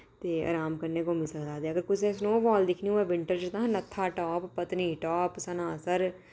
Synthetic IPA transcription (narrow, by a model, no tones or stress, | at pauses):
t̪eːa̰ːɾaːmkəɾneːkomisəkd̪aːd̪eəɡəɾkʊt͡ʃʰesnoːbɔːld̪ɪkʰniuɛ̃ʋɪ̃ɳʈəɾd͡ʒɪt̪ãːɦnət̪ʰːaːʈɔːpːət̪niːʈɔːpsənaːsəɾ